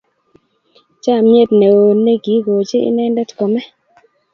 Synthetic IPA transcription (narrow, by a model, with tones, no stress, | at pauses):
t͡ʃa˦˨mje˦˨tne˨o˨ne˦ɡi˨˦ɡo˨t͡ʃe˦ḭ˦nɛ˦ndɛ˦tkɔ˨mɛ˦